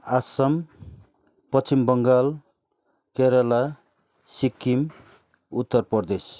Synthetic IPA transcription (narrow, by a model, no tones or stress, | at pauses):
asʌm | pʌt͡ʃimbʌŋɡal | keɾʌla | sikːim | ut̪ːʌɾpʌɾd̪es